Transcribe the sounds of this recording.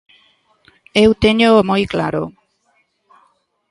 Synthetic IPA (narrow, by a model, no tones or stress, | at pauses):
ewt̪eɲomojklaɾo̰